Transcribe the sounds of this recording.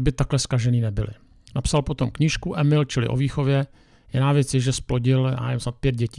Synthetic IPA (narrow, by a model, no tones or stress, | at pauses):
bɪt̪aklɛskaʒɛniːnɛbɪlɪ̰ | napsalpo̞t̪o̞mkɲiːʃkuʔɛmɪlt͡ʃɪlɪ̰ʔo̰viːxo̞vjɛ | jɪnaːvjɛt͡sjɛʒɛsplo̞ɟɪla̰ɛmsnat̪̚pjɛd̪̚ɟɛciː